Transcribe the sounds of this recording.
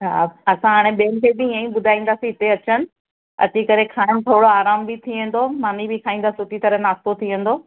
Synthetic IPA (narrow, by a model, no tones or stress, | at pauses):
ɦaːɐsãɦaːɽ̃ẽɓeːənkʰeːbɪɪ̃ãːĩɓʊd̪ʱaːĩːnd̪aːsĩɦɪt̪eɐt͡ɕənɪ̆ | ɐ̰t͡ɕikɐɾekʰaːɪmt̪ʰoːɽoaːɾaːmbɪt̪ʰiʋẽn̆d̪omaːnibɪkʰaːĩːn̆d̪aːsiʊt̪it̪ɐɾənaːst̪ot̪ʰiʋɐ̃n̆d̪oː